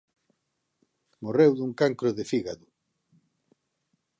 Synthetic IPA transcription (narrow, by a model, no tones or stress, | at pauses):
morewðuŋkaŋkɾʊðefiɣaðʊ